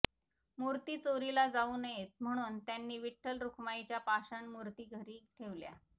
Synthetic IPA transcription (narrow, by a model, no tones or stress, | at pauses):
muɾt̪iːt͡soɾilad͡zauːnəjet̪̚m̤əɽ̃uːnt̪janːiːʋiʈʰːəlɾukʰmajt͡ɕjapaɕəɳmuɾt̪iːɡʱəɾiːʈʰeʋlja̰